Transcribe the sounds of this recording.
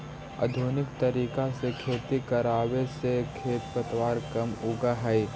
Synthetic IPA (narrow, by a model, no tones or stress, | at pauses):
ɐ̰d̪ʱuːnɪk̚t̪ɐɾiːkasekʰeːt̪ikɐɾaːwesekʰeːt̪̚pɐt̪ʋaːɾkɐmʊɡaɦɛi